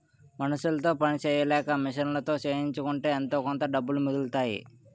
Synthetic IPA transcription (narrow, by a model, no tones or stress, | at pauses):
mɐnɐʃːulɐt̪o̞ːpɐnit͡ʃeːjɐlɛːkɐmiʂɐnlɐt̪o̞ːt͡ʃeːɦiɲt͡ʃukuɳʈe̞ːɐnt̪o̞ːkɔnt̪ɐɖɐbːulumud̪ult̪aːjḭ